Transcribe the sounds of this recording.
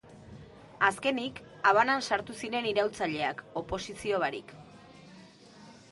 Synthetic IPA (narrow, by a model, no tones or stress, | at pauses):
aske̞nik | aβanansaɾt̪usiɾe̞niɾawlt͡saʎe̞ako̞po̞sisio̞βaɾḭk